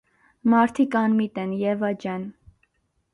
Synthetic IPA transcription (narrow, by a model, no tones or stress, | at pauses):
mɑɾt̪ʰikɑnmit̪ɛnjɛvɑd͡ʒɛn